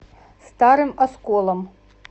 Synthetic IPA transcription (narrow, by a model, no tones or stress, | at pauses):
st̪aɾɨmɐskɔlˠɐm